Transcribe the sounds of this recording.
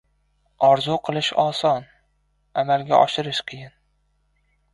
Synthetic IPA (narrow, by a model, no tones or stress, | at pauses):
ɒɾzuqʰɨlˠɪʃɒsɒn | amalɡʲa̰ʔɒʃɪɾɪʃqʲʰɪjɪn